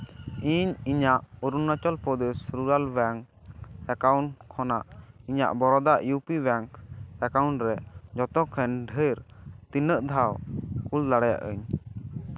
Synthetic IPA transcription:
iɲiɲaʔuɾunːat͡ʃɔlpɔd̪esɾuɾalbɛŋk | ɛkawɳkʰːɔnaʔiɲa̰ʔbɔɾɔd̪aʔjupibɛŋkɛkawɳʈɾɛd͡ʒɔt̪ɔkʰɛnɖʱəɾt̪inəʔd̪ʱawkuld̪aɽaja̰ʔə̰ɲ

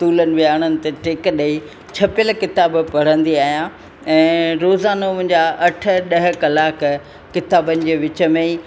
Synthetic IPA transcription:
t̪uːlənɪ̆ʋɪaːɽ̃ənɪ̆t̪eʈɪkɗɐi | t͡ɕʰɐpəlkɪt̪aːbpɐɽ̤ə̃nd̪iaːɦijã | ɛ̃ːɾoːzaːnomʊ̃ɦɪ̃ɲd͡ʑaʔɐʈʰə̆ɗɐɦɪ̆kɐlaːk | kːɪt̪aːbənɪ̆d͡ʑeːʋɪt͡ɕəmẽi

